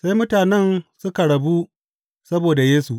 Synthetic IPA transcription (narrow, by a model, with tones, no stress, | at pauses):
sa˦jmʊ˦taː˨nɛ˦nsʊ˦ka˨ɽɐ˨bu˦ | sɐ˦boː˨da˨jeː˦su˨ʔ